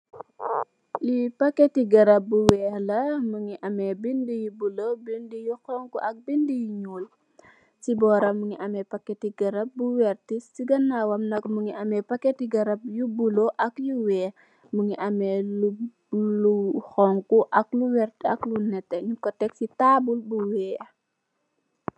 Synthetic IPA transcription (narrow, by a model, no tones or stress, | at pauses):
lipɐkːetiɡɐɾɐp̚buwɛːlɐmuŋiʔɐmɛbindijubulobindijuxɔŋkuʔɐk̚bindijuɲuːl | sibɔːɾɐmːuŋiʔɐmɛpɐkːɛtiɡɐɾɐp̚buwɛrtissiɡɐnːawɐmnɐkmuŋiʔɐmɛpɐkːɛtiɡɐɾɐp̚jubuloʔɐkjuwɛː | muŋiʔɐmɛlu | luxɔŋkuʔɐkluwɛrtɐ̰klunɛtːɛɲukɔtɛk̚sitaːbulbuwɛː